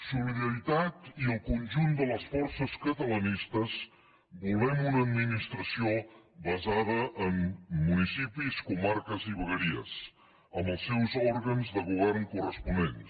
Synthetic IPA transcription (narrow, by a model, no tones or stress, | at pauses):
suliðəɾit̪at̪iəlˠkunʲʒund̪ələsfɔɾsəskət̪ələnist̪əz | bulˠβɛmunəːd̪minist̪ɾəsio | βəzaðəʔəmːunisipiskumaɾkəziβəɣəɾiə̰s | əmbəlˠsːɛwzɔɾɣənzðəɣuβ̞ɛɾnkurəspunen